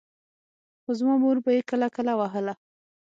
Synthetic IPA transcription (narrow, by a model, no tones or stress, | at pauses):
xozmɑmoɾbajekəlakəlawaɦəla